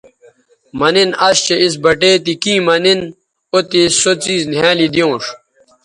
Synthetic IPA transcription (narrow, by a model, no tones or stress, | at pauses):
mɐninɐɕt͡ɕeis̬bɐʈeːt̪ikĩːmɐnin | ot̪isot͡siːznjaːlid̪ijõːʂ